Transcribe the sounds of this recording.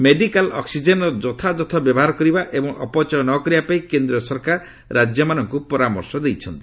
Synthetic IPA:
meɖikalɔ̰ksid͡ʒenɔd͡ʒɔt̪ʰad͡ʒɔt̪ʰɔbjɔbɔɦaɾɔkɔɾibaʔebɔŋɔ̰pɔt͡ʃɔjɔnɔkɔɾibapaikend̪ɾɔsɔɾkaɾ | ɾad͡ʒjɔmanɔŋkupɔɾamɔɾsɔd̪ejt͡ʃʰɔnt̪i̥

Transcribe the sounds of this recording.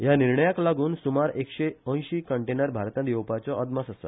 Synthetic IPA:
janiɾɳəjaklaɡuːnsumaɾekɕeə̃j̃ɕiːkəɳʈenəɾbʱaɾt̪ad̪jewpat͡sɔʔəd̪masasa̰

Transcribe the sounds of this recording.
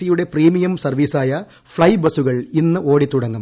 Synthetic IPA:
ijuɽe̞priːmijɐmsɐrʋiːsaːjɐ | fɭɐjbɐsuɣɐɭinːɨʔo̞ːɽit̪ːuɽɐŋːɐm

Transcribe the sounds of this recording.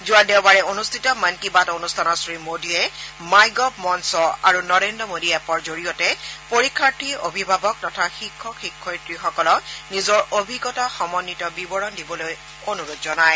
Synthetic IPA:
zʊadewbaɹɛonustʰitɔmankibatonustʰanɔsɹimodiɹɛmajɡɔp̚mɔnsɔa̰ɹunɔɹendɹɔmodiɛpɔɹzoɹijɔtɛpoɹikʰːaɹtʰio̰bʱibʱabɔk̚tɔtʰaxikʰːɔkxikʰːojtɹixɔkɔlɔnizɔɹʔobʱiɡɔtaxɔmɔnːitɔbibɔɹɔndibɔloj | onuɹutzɔnaj

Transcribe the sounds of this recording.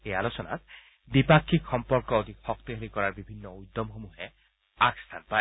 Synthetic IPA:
ejalosɔna̰t̪̚ | bipakʰːikxɔmpɔɹkɔod̪ʱikxɔkt̪iɦoɾikɔɹaɹbibʱinːɔujd̪ɔmxomuɦɛ | akst̪ʰanpae

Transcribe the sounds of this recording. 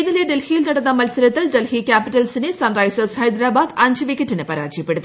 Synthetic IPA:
inːileɖelhijilnɐɽɐnːɐmɐlsɐɾɐt̪ːilɖelhikʲaːpiʈːɐlsinesɐnraːjsoːshɐjd̪ɾaːbaːd̪ɐɲd͡ʑɨʋikːɐtːinɨpɐɾa̰ːd͡ʒijɐpːeɽut̪ː

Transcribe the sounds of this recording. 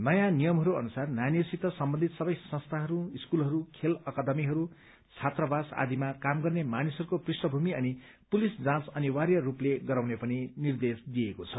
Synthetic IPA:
nʌjãnijʌmɦʌɾuʌ̰nusarnjanjesit̪ːʌsʌmbʌnd̪ʱit̪sʌbʌjsʌ̃st̪ʰaɦʌɾuiskulɦʌɾukʰelʌkad̪ʌmiɦʌɾu | t͡sʰat̪rʌbasa̰d̪imakamɡʌrnemanisʌɾukoprisʈʌbʱumiʌni | pulisd͡zãt͡sʌniwaɾjʌrupleɡʌɾaw̃nepʌninird̪esd̪iekot͡sʰʌ

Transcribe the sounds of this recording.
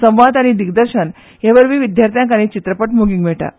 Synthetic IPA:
sə̃ʋʋad̪aɽ̃id̪iɡd̪əɾɕən | ɦeʋəɾʋiːʋid̪ʱjaɾt̪ʰjãŋkaɽ̃it͡ɕit̪ɾəpəʈmoɡiŋɡmeʈa̰

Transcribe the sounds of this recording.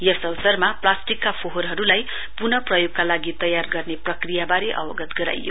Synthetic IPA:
jʌsʌwsʌrmaplasʈikːapʰoɦoɾɦʌɾulaj | punʌprʌjoɡ̚kalaɡit̪ʌjarɡʌrneprʌkrijabaɾeʔʌ̰wʌɡʌt̪ɡʌɾa̰jːo

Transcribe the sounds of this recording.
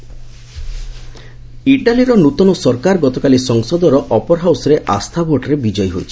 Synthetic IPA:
iʈaliɾɔnut̪ɔnɔsɔɾkaɾɡɔt̪ɔkalisɔŋsɔd̪ɔɾɔʔɔpɔɾɦawsɔɾeʔast̪ʰabʱoʈɔɾebid͡ʒɔjɦo̰jt͡ʃʰi̥

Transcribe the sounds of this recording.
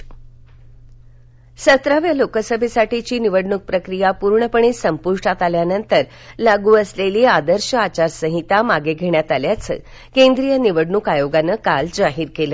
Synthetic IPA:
sət̪ɾaʋjalokəsəbʱesaʈit͡ɕiːniʋəɽɳuk̚pɾəkɾijapuɾɳəpəɳ̃esəmpuɾʈʰat̪aljanənt̪əɾ | laɡuəsleliad̪əɾɕəat͡ɕaɾsə̃ɦit̪amaɡeɡʱeɳjat̪aljat͡sə̰ː | kẽnd̪ɾijəniʋəɽɳukajoɡanəkald͡zaɦiɾkeləː

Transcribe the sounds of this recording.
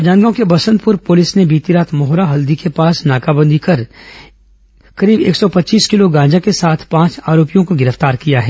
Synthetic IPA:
d͡ʒãːnɡõkebɐsə̃nd̪pʊɾpʊlɪsnebiːt̪iɾaːt̪ʰmɔɦɾaɦɐld̪ikepaːsnaːkabə̃nd̪ʱikɐɾ | kɐɾiːbḛːksɔpɐtːt͡ʃiːskɪloɡãːd͡ʒakesaːt̪ʰpãːt͡ʃaːɾoːpijõkoɡɪɾəft̪aːɾkijaɦɛː

